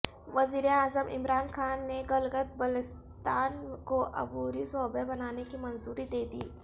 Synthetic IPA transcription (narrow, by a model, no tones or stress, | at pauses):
ʋɐziːɾeaːzəmʔɪ̰mɾaːnxaːnːeɡɐlɡət̪̚bɐlɪs | t̪aːnkoʔɐ̰buːɾisɔːbebɐnaːnekimɐnzuːɾid̪eːd̪iː